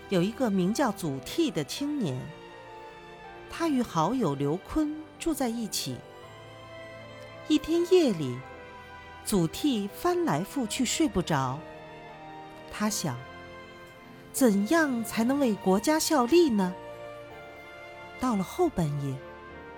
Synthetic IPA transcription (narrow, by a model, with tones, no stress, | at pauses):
jo˨˩ʊi˧˥ɡə˧mi˧˥ŋt͡ɕjɑ˥˩ʊt͡su˨˩t̪ʰi˥˩d̪ə˩t͡ɕʰi˥ŋnjɛ˧˥n | t̪ʰa˥y˧˥xɑ˧˥ʊjo˨˩ʊljo˧˥ʊkʰwə˥nʈ͡ʂu˥˧t͡sa˥˧ɪi˥˩t͡ɕʰḭ˨˩˦ | i˥˩t̪ʰjɛ˥njɛ˥˩li˨˩˦ | t͡su˨˩t̪ʰi˥˩fa˥nla˧˥ɪfu˥˧t͡ɕʰy˥˧ʂwe˥˧ɪpu˥˩ʈ͡ʂɑ˧˥ʊ | t̪ʰa˥ɕjɑ˨˩˦ŋ | t͡sə˨˩njɑ˥˩ŋt͡sʰa˧˥ɪnɤ˧˥ŋwe˥˩ɪkwɔ˧˥t͡ɕja˥ɕjɑ˥˧ʊli˥˩nə˩ | t̪ɑ˥˩ʊlə˩xo˥˩ʊpa˥˩njɛ˥˩